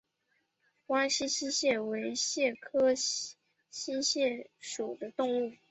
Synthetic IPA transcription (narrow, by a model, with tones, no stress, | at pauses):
wa˥nɕi˥ɕi˥ɕjɛ˥˩we˧˥ɪɕjɛ˥˩kʰɤ˥ | ɕi˥ɕjɛ˥˩ʂu˨˩d̪ə˦t̪ʊ˥˧ŋu˥˩